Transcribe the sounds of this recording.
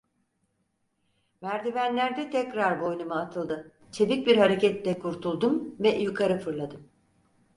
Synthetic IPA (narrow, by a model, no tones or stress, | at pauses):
mæɾd̪ivænlʲæɾd̪ɛt̪ʰɛcɾaɾbo̞jnumɯat̪ʰɯlˠd̪ɯ | t͡ʃʰeb̪ic̚biɾhaɾe̞cɛt̪lʲɛkʰuɾt̪ʰulˠd̪umvɛjukʰaɾɯfɯɾlˠad̪ɯm